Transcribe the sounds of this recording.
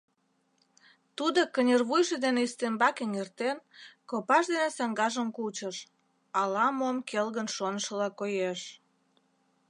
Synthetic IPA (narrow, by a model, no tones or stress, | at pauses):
t̪ud̪okənʲerβujʒed̪eneist̪embɑkeŋert̪enkopɑʃd̪enesɑŋɡɑʒəmkut͡ɕəʃ | ɑlɑmomkelɣənʃonəʃəlɑkojeʃ